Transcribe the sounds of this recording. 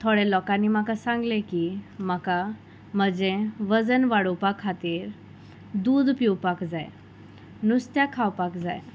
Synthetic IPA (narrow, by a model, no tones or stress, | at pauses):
t̪ʰoɽelɔkanimakasãŋɡlekimaka | məd͡zẽʋəd͡zənʋaɽupakʰːat̪iːɾ | d̪uːd̪piwpakd͡zaj | nust̪jakʰawpakd͡zaj